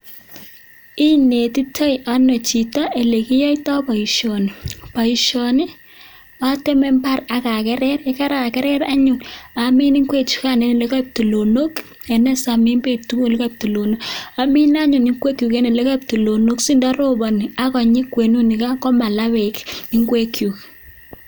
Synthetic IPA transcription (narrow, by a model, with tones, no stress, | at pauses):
i˦ne˨ti˦tʰo˦jʔa˦nɔ˨t͡ʃi˨ta˦e˨le˨ki˦jɔ˦i˦tɔ˦pɔ˨i˨ʃo˨ni˨pa˨i˨ʃo˨ni˦ | a˦te˦mɛ˦mpa˦ra˨ka˨kɛ˦ɾɛ˦ɾe˦ka˦ɾa˨kɛ˦ɾɛ˦ɾa˦ɲu˨na˨mi˦ni˦ŋkwe˦t͡ʃu̥˦ka˦˨ne˨˦ne˨le˦ka˦p̚tu˨lo˨no˦k | e˨nɛ˦sa˨mi˦nbe˦˨p̚tu˦ku˦li˦ka˦p̚tu˨lo˨no˦ka˦mi˦na˦ɲu˨ni˦ŋkwe˦kju˨ke˦ne˨le˦ka˦p̚tu˨lo˨no˦ksi˦nda˦ɾo˦bɔ˨ni˨a˦kɔ˨ɲi˦kwe˨nu˦ni˨ka˦kɔ˦ma˨la˦we˨ki˦ŋɡwe˦kju˨k